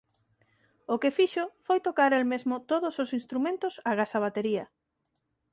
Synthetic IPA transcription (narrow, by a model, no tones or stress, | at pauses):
ʊkefiʃofojt̪okaɾelmezmʊt̪oðososinst̪ɾumẽnt̪ʊsaɣasaβ̞at̪eɾiɐ